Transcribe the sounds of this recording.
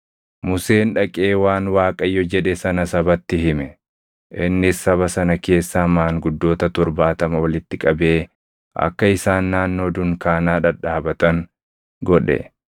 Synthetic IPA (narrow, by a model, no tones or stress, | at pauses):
mʊse̞ːnᶑɐkʼe̞ːwaːnwaːkʼɐjːɔd͡ʒɛᶑɛsɐnɐsɐbɐt̪ːɪɦɪmɛ | ʔɪnːɪsːɐβɐsɐnɐke̞ːsːaːmaːŋɡʊd̪ːo̞ːt̪ɐt̪ɔɾbaːt̪ɐmɐwɐlɪt̪ːɪkʼɐbe̞ː | ʔɐ̰kːɐɪsaːnːaːnːo̞ːd̪ʊŋkaːnaːᶑɐᶑaːbɐt̪ɐŋ | ɡɔᶑɛ̰